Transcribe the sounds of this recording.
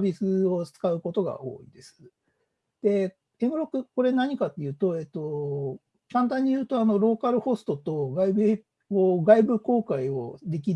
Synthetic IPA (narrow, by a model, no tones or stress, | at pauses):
bʲisɨo̞t͡sɨ̥kaɯ̟ko̞t̪o̞ɡa̰ʔo̞̰ːḭd̪e̞sɨ̥ | d̪̥e̞ | emɯ̟ɾo̞kːɯ̟ko̞ɾe̞naɲ̟ikat̪ːe̞jɯ̟ːt̪o̞e̞ːt̪ːo̞ | kãnt̪ãɲ̟ːijɯ̟ːt̪o̞ano̞ɾo̞ːkaɾɯ̟ho̞sɨ̥t̪o̞t̪o̞ɡaibɯ̟ | koːɡaibɯ̟ko̞ːkaio̞̰d̪e̞k̬ʲi